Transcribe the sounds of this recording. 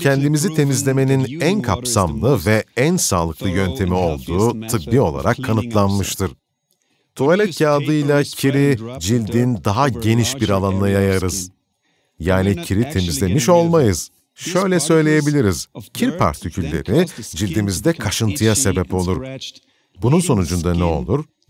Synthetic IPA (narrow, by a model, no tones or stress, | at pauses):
cʰɛnd̪imizit̪ʰe̞mizlʲe̞me̞ninænkʰapsamlˠɯvɛænsaːlˠɯklˠɯjø̞nt̪ʰe̞mio̞lˠd̪uːt̪ʰɯbbːio̞̰lˠa̰ɾʔakʰːanɯt̪ʰlˠanmɯʃt̪ʰɯɾ̥ | t̪ʰualʲɛt̪jaːd̪ɯjlˠacʰiɾid͡ʒilʲd̪ind̪aɦaɟe̞niʃbiɾalˠanlˠajajaɾɯz̥ | jaːnicʰiɾit̪ʰe̞mizlʲe̞miʃo̞lˠmajɯz̥ | ʃø̞jlʲɛsø̞jlʲe̞je̞bilʲiɾiz̥cʰiɾpʰa̰ɾt̪ʰicʰylʲːe̞̰ɾid͡ʒilʲd̪imizd̪ɛkʰaʃɯnt̪ʰɯjase̞bɛpo̞lˠuɾ | bununso̞nud͡ʒund̪anɛo̞̰lˠuɾ